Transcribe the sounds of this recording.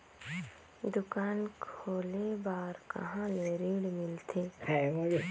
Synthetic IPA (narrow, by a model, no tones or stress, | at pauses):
d̪ʊkaːnkʰoːlebaːɾkɐ̰ɦãleɾiːɽmɪlt̪ʰeːpʰɛmod͡ʒ